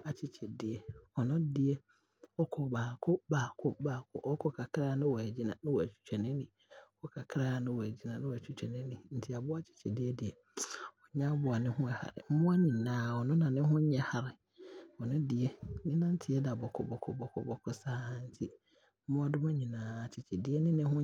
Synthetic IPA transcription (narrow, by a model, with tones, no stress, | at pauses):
a˨t͡ɕʰɪ˦t͡ɕʰɛ˨dɪ˨ɛ˨ɔ˨nʊ̃˦dɪ˦ɛ˦ | ɔ˦kʰɔ˨baː˨kʰʊ˦baː˨kʰʊ˦baː˨kʰʊ̰˦ʔɔ˦kʰɔ˦kʰa˨kʰɾa˦nɪ̃˦wɔ˨æ˨d͡ʑi˦nã̰˨nʊ̃˦wɔ˨æ˨t͡ɕʰᶣu̥˨t͡ɕᶣɛ˨nɪ̃˦nĩ˨ | ɔ˦kʰɔ˦kʰa˨kʰɾaː˦nʊ̃˦wɔ˨æ˨d͡ʑi˦nã˨nʊ̃˦wæ˨t͡ɕʰᶣu˦t͡ɕᶣɛ˨nɪ̃˦nĩ˨n̩˨tʰi˦a˨bʊ˦a˦t͡ɕʰɪ̥˦t͡ɕʰɛ˨dɪ˦ɛ˦dɪ˨ɛ˨ | ɔ˨ɲ˦ã˦bʊ˨a˨nɪ̃˦hʊ̃˦ɛ˨ha̰˨ɾɪ̰˨m̩˦mʊ̃˦a˦ɲĩ˨nãː˨ɔ˨nʊ̃˦nã˨nɪ̃˦ɦʊ̃˦ɲ˦ɲɛ˦ha˨ɾɪ˨ | ɔ˨nʊ̃˦dɪ˨ɛ˦ɲɪ̃˦nã˦n̩˦tʰɪ˨˦ɛ˦da˨bɔ˨kʰɔ˨bɔ˨kʰɔ̰˨bɔ˨kʰɔ̰˦bɔ˨kʰɔ˦saː˦a˦n̩˦tʰi˦ | m̩˦mʊ̃˦a˦dʊ˦m˦a˦ɲĩ˨nãː˨a˨t͡ɕʰɪ˨t͡ɕʰɛ˨dɪ˦ɛ˦nɪ̃˦nɪ̃˦ɦʊ̃˦